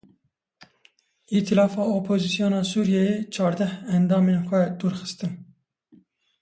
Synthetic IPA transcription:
it̪ʰilɑːfɑːopʰoːzisijoːnɑːsuːɾijɛjet͡ʃʰɑːɾd̪ɛhɛnd̪ɑːmeːnxʷɛd̪uːɾxɨ̥st̪ɨn

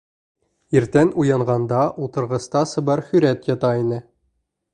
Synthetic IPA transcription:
iɾt̪ænujɑɴʁɑnd̪ɑʔulˠt̪ɤ̆ɾʁɤ̆st̪ɑsɤ̆bɑɾhɵ̆ɾæt̪jɑt̪ɑinɘ

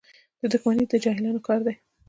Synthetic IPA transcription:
d̪̥əd̪ʊxmanid̪əd͡ʒɑhɪlɑnokɑɾd̪aj

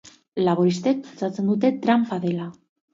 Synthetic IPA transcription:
laβoɾist̪ek̚pilt͡sat͡se̞nd̪ut̪e̞t̪ɾampaðela

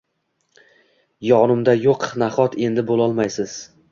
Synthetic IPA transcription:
jɒnɪmd̪ajoqnaχɒt̪ʰe̞nd̪ɪbolˠɒlˠmajsɪz̥

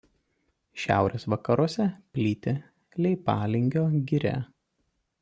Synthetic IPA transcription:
ʃʲæ̰ˑʊɾʲeːsʋɐkɐɾuɔsʲɛpʲlʲiːt̪ʲe | lʲɛɪpɑːlʲɪŋʲɡʲoːɡʲɪɾʲæ̰ː

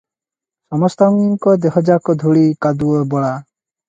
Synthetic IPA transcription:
sɔmɔst̪ɔŋiŋkɔd̪eɦɔd͡ʒakɔd̪ʱuɭikad̪uɔbɔɭa

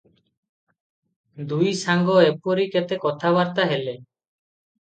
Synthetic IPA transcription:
d̪ujsaŋɡɔepoɾiket̪ekɔt̪ʰabaɾt̪aɦele

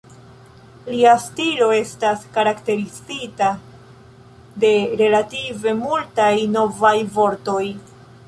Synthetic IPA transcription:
liastilo̞e̞staskaɾakte̞ɾizita | de̞ɾe̞lative̞multajno̞vajvo̞ɾto̞j

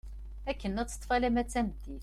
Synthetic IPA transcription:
ækːənːæt͡sːə̥t̪ˤfælæmæt͡sːæməd̪iθ

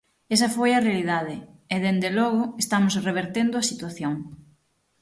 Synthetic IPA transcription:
esɐfojɐrealiðaðɪeðend̪elɔɣʊest̪amʊsreβ̞eɾt̪end̪ʊɐsit̪waθjoŋ

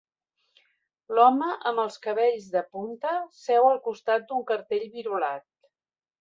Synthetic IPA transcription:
lɔməʔəmbəlˠskəβ̞ɛʎzðəpunt̪əsɛwəlˠkust̪at̪̚d̪uŋkəɾt̪eʎβiɾulat̪̚

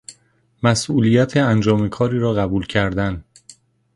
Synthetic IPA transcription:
mæsʔuːlijæt̪ʰeænd͡ʒɒːmekʰɒːɾiːɾɒːɣæbuːlcʰæɾd̪æn

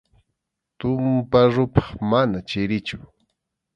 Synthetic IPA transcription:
t̪ʊmpaɾʊpɑ̥χmanat͡ʃɪɾɪt͡ʃʊ̥

